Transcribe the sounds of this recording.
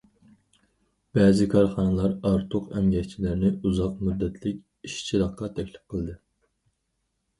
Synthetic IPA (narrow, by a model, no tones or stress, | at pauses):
b̥ɛːzɪkʰɑɾχɑnɨlˠɑɾɑɾt̪ʰʊqɛmɡʲɛt͡ʃʰilɪɾnɪuzɑqmud̪ːɛt̪ʰlɪkʲ | iʃt͡ʃʰiɾɑqqːɑt̪ʰɛkʲlɪf̚qʰəlˠd̪ɨ